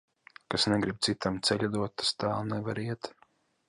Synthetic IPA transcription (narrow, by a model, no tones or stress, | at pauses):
kasnɛɡɾib̚t̪sit̪amt̪sɛʎʲad̪uɔt̪t̪ːḁst̪aːlˠnɛvaɾiɛt̪